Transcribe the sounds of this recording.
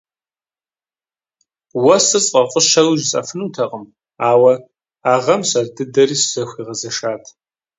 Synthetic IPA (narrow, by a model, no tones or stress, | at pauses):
wɐsɨsʼqʼɐfʷʼʊʃɐlʒɪt͡sʼɐ̰fɨnuːtʰɐqʼəm | aːwɐ | aːʁɐmɕɐrdɨdɐriːsz̥ɐxʷiːʁɐzɐʃaːtʰ